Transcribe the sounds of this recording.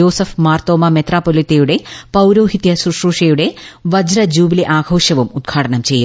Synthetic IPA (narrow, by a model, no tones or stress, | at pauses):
o̞ːsɐfmaːrt̪oːmɐmet̪raːpːoːlit̪ːejuɽe̞pɐwɾoːɦit̪jɐsuʂruːʂɐjuɽe̞ʋɐd͡ʑɾɐd͡ʑuːbiliʔaːɡʱo̞ːʂɐʋumud̪̚ɡʰʱaːʈɐɳɐmt͡ɕe̞jːu